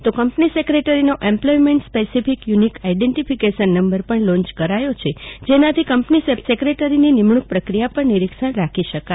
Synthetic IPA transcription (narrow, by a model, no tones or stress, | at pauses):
t̪okəmpnisekɾeʈəɾinoʔẽmplɔjmeɳʈspesifikjunikaiɖeɳʈifikeʃənːəmbəɾpəɳlɔ̃ɲt͡ʃkəɾajot͡ʃʰed͡ʒenat̪ʰikəmpnisesekɾeʈəɾininimɳuk̚pɾəkɾijapəɳniɾikʃəɳɾakʰiʃəka